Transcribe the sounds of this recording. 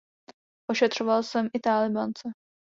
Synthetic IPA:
ʔoʃɛt̪r̝̥ovalsɛmʔɪt̪aːlɪbant͡sɛ

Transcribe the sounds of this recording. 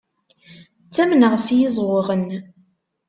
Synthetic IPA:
t͡sːæmnəʁsjizˤwəʁən

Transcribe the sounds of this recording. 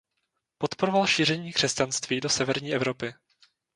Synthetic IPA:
po̞t̪poɾovalʃiːr̝ɛɲiːkr̝̥ɛscanst̪viːdo̞sɛvɛɾɲiːɛvɾo̞pɪ

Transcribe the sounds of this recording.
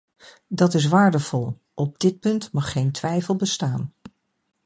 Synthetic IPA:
dɑtɪs̬ʋaːɹdəvɔlˠ | ʔɔb̚dɪt̚pɵntmɑχːejntʋɛjfəlˠbəstaːn

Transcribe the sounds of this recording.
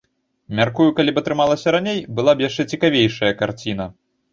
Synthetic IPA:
mʲarkujukalʲipɐt̪ɾɨmalˠɐsʲɐɾanʲejbɨlˠabjaʂt͡ʂɛt͡sʲikavʲejʂɐjɐkart͡sʲinɐ

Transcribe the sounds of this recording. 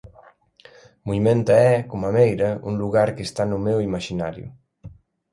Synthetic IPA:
muimẽnt̪aɛkomamejɾɐuŋluɣaɾkest̪anumewimaʃinaɾjṵ

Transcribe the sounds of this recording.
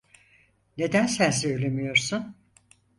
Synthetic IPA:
ne̞d̪ænsæns̬øjlʲe̞mijo̞ɾsun

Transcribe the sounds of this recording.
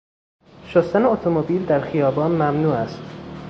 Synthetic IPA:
ʃost̪æneot̪ʰomobiːld̪æɾxijɒːbɒːnmæmnuːæst̪

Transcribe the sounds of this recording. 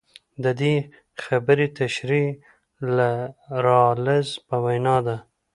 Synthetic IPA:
d̪əd̪e | xabəɾit̪aʃɾi | laɾɑləzpəwajnɑd̪a

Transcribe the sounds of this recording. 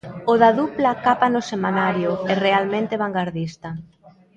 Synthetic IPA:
oðaðuplakapanʊsemanaɾjʊɛrealmẽnt̪eβ̞aŋɡaɾðist̪a

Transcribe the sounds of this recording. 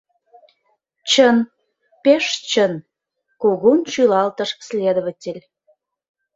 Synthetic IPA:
t͡ɕən | peʃt͡ɕən | koɣunt͡ɕylɑlt̪ə̆ʃslʲed̪əβə̆tʲelʲ

